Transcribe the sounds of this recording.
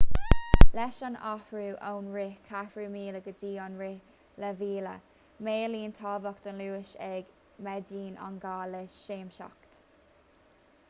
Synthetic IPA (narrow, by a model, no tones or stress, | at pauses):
lɛʃana̰hɹuːʔownɹɪkʰafɹuːmiːləɡəd̪iːɔnɹɪ | ləviːlə̰ | meːliːnt̪ʰɑːvəkd̪̥ənluːɪʃɛɡ | mɛdiːnʔa̰nɡaːləʃeːmʃɔ̰kt̪